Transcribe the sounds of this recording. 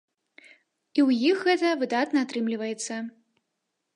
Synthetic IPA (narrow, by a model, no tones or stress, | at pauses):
iwjixɣɛt̪ɐvɨd̪at̪nɐat̪ɾɨmlʲivɐjɛt̪sːɐ